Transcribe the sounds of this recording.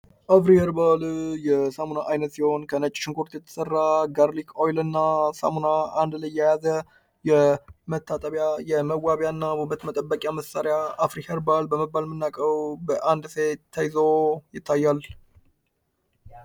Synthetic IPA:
ʔafɾiheɾbaljɛsamunaʔajnət̪siho̞nkʰənət͡ʃʼːɪʃɪŋkʰʼuɾt̪jɛt̪ʰːə̥sərːaɡaɾlikʰojlɨnːasa̰munaand̪lajːɛjazə | jɛmət̪ʰːat̪ʼəβjajɛməwːaβjanːabubət̪mət̪ʼəbːəkʼjaməsaɾjaːfɾiheɾbalbəməbːalmɨnːakʼəwbəʔand̪set̪ʰːəjzo̞jɪt̪ʰːajːal

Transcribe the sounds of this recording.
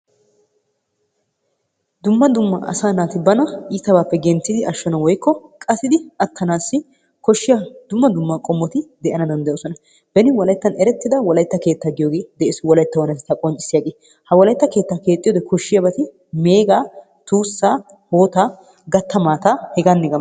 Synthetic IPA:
d̪ʊmːɐd̪ʊmːɐ̰ʔɐ̰saːnaːt̪ɪbɐnɐiːt̪ɐbaːpːɛɡɛnt͡sːɪd̪ɪʔɐʃːɔnɐwɔjkːɔkʼɐsɪd̪ɪɐt̪ːɐnaːsːɪ | kɔʃːɪjɐd̪ʊmːɐd̪ʊmːɐkʼɔmːɔt̪ɪd̪ɛʔɐnɐd̪ɐnd̪ɐjoːsɔnɐ | bɛnɪwɔlɐjt̪ːɐnɛɾɛt̪ːɪd̪ɐwɔlɐjt̪ːɐke̞ːt̪ːɐɡɪjoːɡeːd̪ɛʔeswɔlɐjt̪ːɐwɐnɐt̪ɪt̪ːɐkʼɔnt͡ʃʼɪ̥sɪjaɡeː | hɐwɔlɐjt̪ːɐke̞ːt̪ːake̞ːt̪ʼɪjoːd̪ɛkʰɔʃːɪjɐbɐt̪ɪ | me̞ːɡaː | t̪uːsːaː | hoːt̪aː | ɡɐt̪ːɐmaːt̪ahɛɡanːɪɡɐ

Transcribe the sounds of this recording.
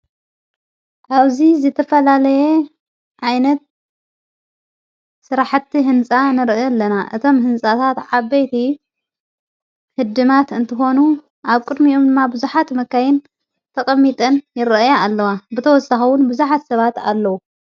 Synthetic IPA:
ʔaβzizɨt̪ʰɐfɐlalɐje | ʕajnɐt̪̚ | sɨɾaħt̪ʰːiɦɨnt͡sʼanɨɾʔajolːɐnaʔɨt̪ʰo̞mhɨnt͡sʼat̪ʰat̪ʕabːɐjt̪ʰi | hɨd̪ɨmat̪ɨnt̪ʰɨxo̞nu | ʔaβkʼɨd̪miomd̪ɨmːabɨzuħat̪mɐkːajɪn | t̪ʰɐkʼɐmːit̪ʼɐnjɪɾɐajaalːɐwabɨt̪ʰɐwɔsaxɐwʊnbɨzuħat̪sɐβat̪a̰lːɐwu

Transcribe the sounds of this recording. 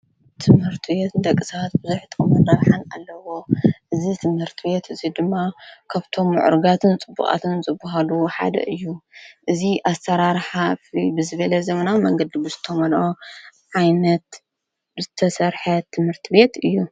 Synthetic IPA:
t̪ʰɨmhɨɾt̪ʰɨbet̪ɨnd̪ɐkʼːɨsat̪̚bɨzujħt̪ʼomunaβħana̰lːɐwo̞ʔɨzit̪ʰɨmhɨɾt̪ʰɨβe̞t̪ɨzid̪ɨmːakʰaβt̪ʰo̞mːɨ̰ʕṵɾɨɡat̪ʰɨnt͡sʼɨbːṵχʼa̰t̪ʰɨnt͡sʼɨbːuhaluħa̰d̪ɐ̰ʔɨjːuʔɨziʔasɐɾaɾħafibɨzɨβɐlɐzɐmɐnawmɐŋɡɐd̪ibɨzɨt̪ʰomɐlʔoʕajnɐt̪ | bɨzɨt̪ʰɐsɐɾħɐt̪ʰɨmhɨɾt̪ʰɨbe̞t̪ɨjːu

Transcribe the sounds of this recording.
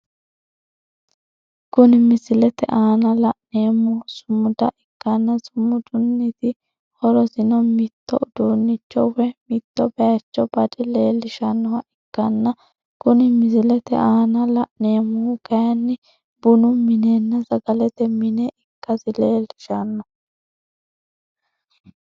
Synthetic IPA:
kʊnɪmɪsɪlɛt̪ɛ̰ʔaːnɐlɐʔneːmːʊsʊmːʊd̪ɐʔɪkːɐnːɐsʊmːʊd̪ʊnːɪt̪ɪ | hɔɾɔsɪnɔmɪt̪ːɔʊd̪̥uːnːɪt͡ʃːɔwɛmɪt̪ːɔbɛjɐt͡ʃːɔbɐd̪ɛleːlːɪʃɐnːɔwɐʔɪkːɐnːɐ | kʊnɪmɪzɪlɛt̪ɛ̰ʔaːnɐlɐʔne̞ːmːʊɡɐjɐnːɪ | b̥ʊnʊmɪneːnːɐzɐɡɐlɛt̪ɛmɪneʔɪkːɐsɪleːlɪʃɐnːɔ

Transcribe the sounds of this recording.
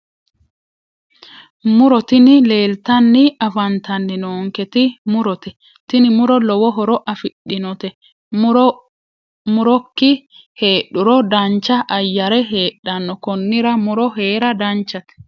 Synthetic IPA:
mʊɾɔt̪ɪnɪle̞ːlt̪ɐnːɪʔɐfɐnt̪ɐnːɪnoːŋkɛt̪ɪmʊɾɔt̪ɛ | t̪ɪnɪmʊɾɔlɔwɔɦɔɾɔʔɐfɪɗːɪnɔt̪ɛ | ɾ | mʊɾɔkːɪ | he̞ːɗʊɾɔd̪ɐnt͡ʃːɐʔɐjːɐɾɛɦeːɗːɐnːɔkɔnːɪɾɐmʊɾɔɦe̞ːɾɐd̪ɐnt͡ʃːɐt̪ɛ̥

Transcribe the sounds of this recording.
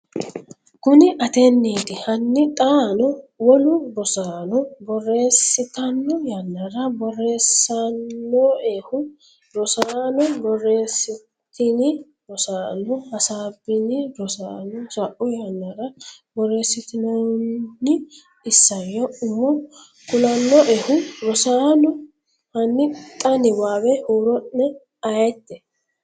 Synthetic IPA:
kʊnɪʔɐt̪ɛnːiːt̪ɪhɐnːɪt̪ʼaːnɔwɔlʊbɔsaːnɔbɔre̞ːsːɪt̪ɐnːɔjɐnːɐɾɐbɔrːe̞ːsːɐnːoeːhʊ | ɾɔsaːnɔbɔrːe̞ːsːɪ | t̪ɪnɪ | bɔsaːnːɔhɐsaːbɪnɪɾɔsaːnɔsɐʔʊjanːɐɾɐbɔre̞ːsːɪt̪ɪnɔ | ɪ | ɪsːɐjɔʊmːɔ | kʊlɐnːɔʔeːhʊɾɔsaːnɔ | hɐnːɪtʼːɐnɪwaːbɛhoːɾɔnːɛ | ɐjɛt̪ːɛ

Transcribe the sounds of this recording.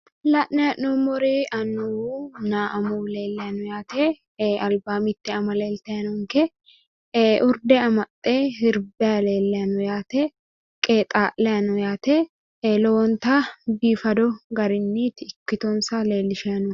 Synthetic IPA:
lɐʔnɛɐnːomɔɾiʔɐnːunaːʔɐmuːle̞ːlːɛɐnʊjaːt̪eː | ɐlbaːmɪt̪ːɪɐmɐleːlt̪ɛjɐnʊŋkɛ | ʔʊɾd̪ɛɐmɐt̪ʼːeːhɪɾbɛɐleːlːɛɐnʊjaːt̪e | kʼeːt̪ʼaːʔlɛɐnʊjaːt̪eː | lɔwɔnt̪aːbiːfɐd̪ɔɡɐɾɪnːiːt̪ɪɪkːɪt̪ɔnsaːle̞ːlːɪʃɛɐnʊ

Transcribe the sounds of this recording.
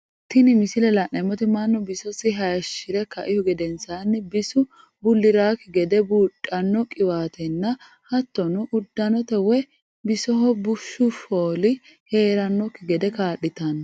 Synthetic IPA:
t̪ɪnɪmɪsɪlɛlɐʔɐmːɔt̪ɪmanːɔbɪsɔsɪɦɐjɐʃːɪɾɛkɐʔɪhʊɡɛd̪ɛnsaːnːɪbɪsʊ | bʊlːɪɾaːkːɪɡɛd̪ɛbuːtʼːɐnːɔkʼɪwaːt̪ɛnːɐ | hɐt̪ːɔnʊʔʊd̪ːɐnɔt̪ɛwɛ | bɪsɔɦɔbʊʃːʊfoːlɪ | he̞ːɾɐnːɔkːɪɡɛd̪ɛkaːɗɪt̪ɐnɐ

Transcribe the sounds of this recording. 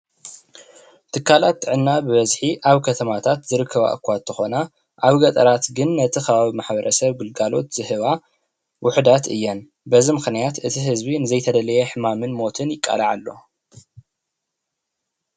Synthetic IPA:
t̪ʰɨkʰːalat̪ːɨʕɨnːabɨβɐzħiʔaβkʰɐt̪ʰɐmat̪ʰat̪zɨɾɨkʰːɐβa̰ʔɨ̰kʰːʷat̪ʰːɨxo̞na | ʔaβɡɐt̪ʼɐɾat̪ɡɨnːɐt̪ʰixɐβaβimaħbɐɾʔɐsɐβɡɨlɡalo̞t̪z̥ɨhɨβa | wʔʊħd̪at̪ɨjːɛn | bɐzimɨxnijat̪ʔɨt̪ʰiɦɨzbinɨzɐjt̪ʰɐd̪ɐlɐjeħɨmamɨnmo̞t̪ʰɨnjɪkʼːa̰laʕalːo̞̰

